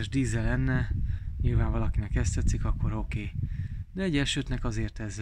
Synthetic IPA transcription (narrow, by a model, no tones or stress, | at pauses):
ɛʒd̪iːzɛlɛnːɛɲilvaːɱvɒlɒkinɛkɛst̪ɛt̪sikɒkːo̞ɾo̞keːd̪ɛɛɟɛʃøːt̪nɛkɒzeːrt̪ɛzː